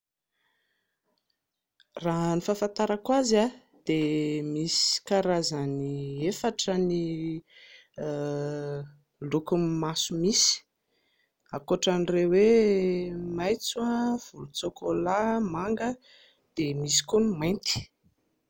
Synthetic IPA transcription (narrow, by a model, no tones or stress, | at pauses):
raɦnifafant̪aɾakwaza | d̪̥emisi̥kaɾazaniefaʈ͡ʂəni | lukummasumisi̥ | akoʈ͡ʂanrewe | majt͡suav̥ulut͡sokolamaŋɡə | d̪̥emisi̥kunimajnt̪i̥